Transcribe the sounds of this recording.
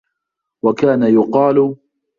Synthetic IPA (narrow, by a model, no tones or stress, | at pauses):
wakaːnajʊqɑːl